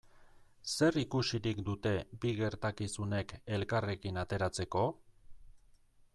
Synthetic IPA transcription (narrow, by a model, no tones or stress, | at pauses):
se̞rikusiɾikd̪ut̪e̞biɣe̞ɾt̪akisune̞ke̞lkare̞kinat̪e̞ɾat͡se̞ko̞